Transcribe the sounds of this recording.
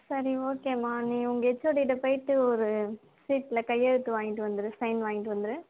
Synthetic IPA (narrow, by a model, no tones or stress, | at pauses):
sɐɾioːkeːmaːnĩːʊŋɡɐɛt͡ʃːoːɽɪɪʈːɐpɐjɪʈːɯɔɾɯ | siːʈɪlɐkɐjːɐɻɯt̪ːɯʋaːŋɡɪʈːɯʋɐnd̪ɯɾɯsɐɪnʋaːŋɡɪʈːɯʋɐnd̪ɯɾɯ